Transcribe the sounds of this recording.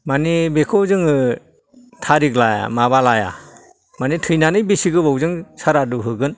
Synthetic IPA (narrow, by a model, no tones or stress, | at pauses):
manibekʰɔzɯŋɯ | tʰaɾiɡlaja̰maβalaja̰ | manitʰɯjnanɯjbisiɡɯbɔwzɯŋsaɾaduɦɯɡɯn